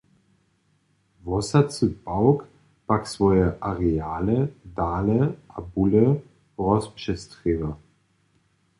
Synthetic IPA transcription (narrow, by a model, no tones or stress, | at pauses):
vɔsɐt͡sub̥aʊk | b̥aksv̥ɔʏəʔaʁeaːlədaːləʔabulə | ʁɔspʃɛstʁ̥eːvɐ